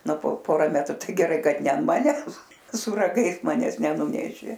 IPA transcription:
ˈnʊ poː ˈpoːrɐ ˈmʲæːtrʊ ˈtɐɪ ɡʲɛˈrɐɪ ˈkɐt ˈnʲɛ ɐnt ˈmɑːnʲɛs sʊ rɐˈɡɐɪs mɐˈnʲɛs nʲɛˈnuːnʲɛʃʲeː

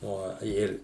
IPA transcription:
ˈoː ˈɪr

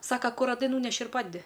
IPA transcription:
ˈsɑːkɐ ˈkʊr rɐˈdɐɪ ˈnuːnʲɛʃʲɪ ɪr ˈpɑːdʲɛdʲɪ

